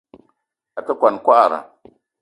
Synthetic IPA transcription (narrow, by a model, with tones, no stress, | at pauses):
a˨ka˦kʷa˨nkʷa˦ʔa˨ɾa̰˨